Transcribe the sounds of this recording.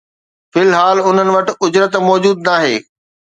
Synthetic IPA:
fɪlɦaːlʊn̤ənɪ̆ʋɐʈɪ̆ʊd͡ʑɾət̪mɔːd͡ʑuːd̪̚naːɦeː

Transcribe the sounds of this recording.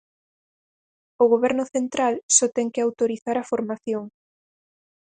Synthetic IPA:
ʊɣoβɛɾnʊθent̪ɾalsɔt̪ɛŋkɪawt̪oɾiθaɾafoɾmaθjoŋ

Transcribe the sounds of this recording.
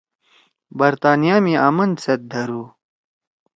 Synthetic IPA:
bɐɾt̪aːnijaːmiaːmɐnd̪set̪̚d̪ʱɐɾuː

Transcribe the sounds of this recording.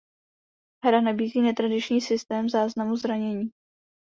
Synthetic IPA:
ɦɾanabiːziːnɛt̪ɾadɪt͡ʃɲiːsɪst̪ɛːmzaːznamuzɾaɲɛɲiː

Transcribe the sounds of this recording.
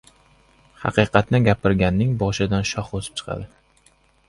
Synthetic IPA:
hɑ̰qɨjqʰɑt̪nɪɡʲapʰɪɾɡʲanːɪŋbɒʃɪd̪anʃɒχosɪ̥p̚t͡ʃʰɨ̥qʰɑ̰d̪ɪ

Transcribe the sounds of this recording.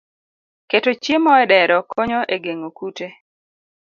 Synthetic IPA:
ketot͡ʃjemɔɛdɛɾɔkʰoɲoʔeɡeŋokute

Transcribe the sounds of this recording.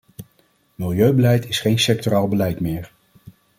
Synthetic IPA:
mɪlˠjøɥbəlɛjtɪsχejnsɛk̚toraːlˠbəlɛjtmɪːɹ

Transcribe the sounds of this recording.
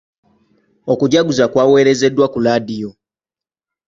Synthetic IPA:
okuɟaɡuzakwaːwe̞ːɾe̞ze̞dːwakulaːdijo

